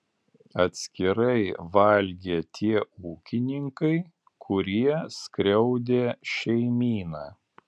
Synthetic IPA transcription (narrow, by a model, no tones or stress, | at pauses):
ɐt̪ʲsʲkʲɪɾɐɪʋɐlʲɡʲeːt̪ʲʰiɛuːkʲɪnʲɪŋkɐɪ | kʰʊɾʲiɛskɾʲɛʊd̪ʲeːʃʲɛɪmʲiːnɑː